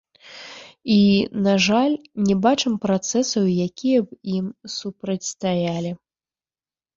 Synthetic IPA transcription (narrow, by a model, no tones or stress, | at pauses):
inaʐalʲnʲɛbat͡ʂɨmpɾat̪sɛsɐwjakʲʰijɐbimsupɾɐt͡sʲst̪ajalʲi